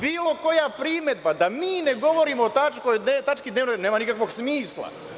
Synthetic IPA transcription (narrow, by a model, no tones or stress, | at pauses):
biːlˠo̞ko̞japɾime̞d̪bad̪amiːne̞ɡo̞ʋoɾiːmoːt̪at͡ʃkoj̪et̪at͡ʃkid̪neːʋnojneːmanikakʋo̞ɡsmiːslˠa̰